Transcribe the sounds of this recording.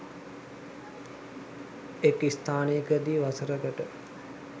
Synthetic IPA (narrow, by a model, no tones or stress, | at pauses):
ekist̪ʰaːneəkəd̪iːʋasəɾəɡəʈə